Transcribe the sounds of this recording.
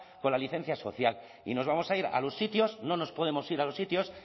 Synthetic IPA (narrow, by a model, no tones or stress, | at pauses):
ko̞nlaliθẽ̞n̟θjaso̞θjal | ḭno̞zβamo̞saiɾa̰lo̞sːit̪jo̞sno̞no̞spo̞ðemo̞siɾalo̞sit̪jo̞s